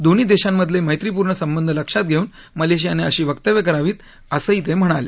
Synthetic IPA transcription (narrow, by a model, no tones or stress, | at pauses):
d̪oniːd̪eɕamːəd̪ʱleməjt̪ɾipuːɾɳəsəmbənd̪ʱələkʂat̪̚ɡʱeuːn | məleɕ̬ijaneəɕiːʋəkt̪əʋjəkəɾaʋiːt̪ | əsəit̪ʰem̤əɽ̃alḛ